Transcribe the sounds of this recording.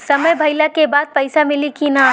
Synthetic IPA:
səməjbʱɐɪlakebaːd̪̚pəɪsamɪlikina

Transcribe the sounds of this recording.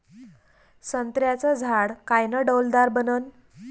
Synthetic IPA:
sənt̪ɾjat͡səd͡zʱaɽkajnəɖəwld̪aɾbənən

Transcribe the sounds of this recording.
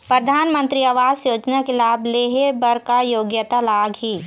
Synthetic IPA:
pɾəd̪ʱaːnmə̃nt̪ɾiɐʋaːzjoːd͡ʒnakelaːbʱleːɦebɐɾkajoːɡjət̪alaːɡɦiː

